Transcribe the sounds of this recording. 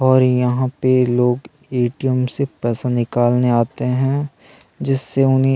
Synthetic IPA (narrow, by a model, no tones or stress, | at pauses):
ɔːɾjɐɦãpeloːɡ | eːʈijəmsepɛːsanɪkaːlneaːt̪eɦɛ̃ | d͡ʒɪsːeʊnɦẽ